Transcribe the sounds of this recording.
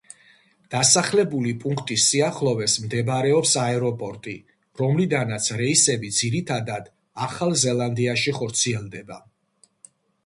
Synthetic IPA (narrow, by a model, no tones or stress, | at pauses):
d̪̥asaχlɛbulipʼuŋkʰt̪ʼisːiaχlˠɔvɛsmd̪ɛbɾɛɔpsaɛɾɔpʼɔɾt̪ʼi | ɾɔmlid̪anat̪sʰɾɛisɛbid̪ziɾit̪ʰad̪ad̪ | aχalˠzɛlˠand̪iaʃiχɔɾt̪sʰiɛlˠd̪ɛba